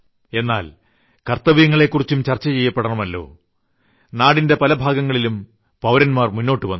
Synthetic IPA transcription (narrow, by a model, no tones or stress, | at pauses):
e̞nːa̰ːl | kɐrt̪ɐʋijɐŋːɐɭe̞kːurit͡ɕːumt͡ɕɐrt͡ɕːɐt͡ɕe̞jːɐpːeɽɐɳɐmɐlːo̞̰ː | naːɽinde̞pɐlɐbʱaːɡɐŋːɐɭilum | pɐʋɾɐnmaːrmunːo̞ːʈːɨʋɐnː